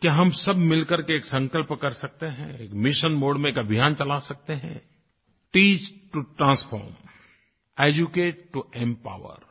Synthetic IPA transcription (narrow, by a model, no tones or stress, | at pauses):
kjaɦɐmsɐbmɪlkəɾkeːksə̃ŋkəlpkɐɾsɐk̚t̪eɦɛ̃eːkmɪʃənmoːɖmẽeːkɐbʱɪjaːnt͡ʃɐlasɐk̚t̪eɦɛ̰̃ | ʈiːt͡ʃʈuʈɾãːspʰɔ̰ːɾm | eːd͡ʒukeːʈʈuẽmpa̰ːwə̰ɾ